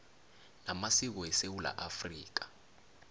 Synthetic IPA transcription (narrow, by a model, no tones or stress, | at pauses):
namasik̬ɔɛsewula̰ʔafriːk̬ḁ